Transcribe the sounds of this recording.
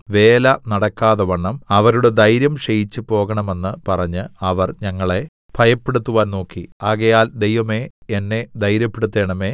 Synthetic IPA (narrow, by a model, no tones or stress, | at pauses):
ʋe̞ːlɐnɐɽɐkːaːðɐʋɐɳːɐmɐʋɐɾuɽe̞d̪ʱɐjɾjɐmɕejit͡ɕːɨpo̞ːɣɐɳɐme̞nːɨpɐrɐɲːɨɐʋɐrɲɐŋːɐɭe̞ | b̥ʱɐjɐpːe̞ɽut̪ːuʋaːnno̞ːkːiaːɣɐjaːld̪e̞jʋɐme̞enːe̞d̪ʱɐjɾjɐpːeɽut̪ːe̞ːɳɐme̞ː